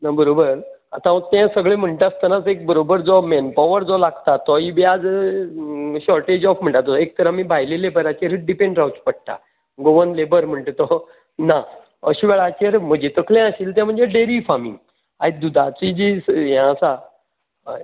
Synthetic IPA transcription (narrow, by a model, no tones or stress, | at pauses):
nabəɾobəɾ | at̪ãt̪ɛ̃səɡɭem̤əɳʈeast̪ənat͡sek̚bəɾobəɾd͡zɔmɛnpɔʋəɾd͡zɔlaɡt̪at̪ːɔibiad͡z | ɕɔɾʈed͡ʑɔfm̤əɳʈ̪at̪ɔek̚t̪əɾamibʱajlelebəɾat͡ɕeɾəɖipẽɳɖɾawt͡spəɽ̚t̪a̰ | ɡoʋənlebəɾm̤əɳʈ̪et̪ɔ | na | əɕiʋɛɭat͡ɕeɾm̤əd͡ʑet̪əkʰljɛ̃əɕiːlt̪ɛ̃m̤əɳd͡zeɖeɾifamḭ̃ŋɡ | a̰id̪ud̪ʱat͡sid͡ʑisɦãəsa